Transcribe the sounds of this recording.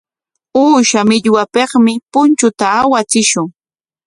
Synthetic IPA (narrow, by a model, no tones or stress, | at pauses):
uːʃamɪʎwapeχmɪpʊnt͡ʃʊt̪aːwat͡sɪʃʊŋ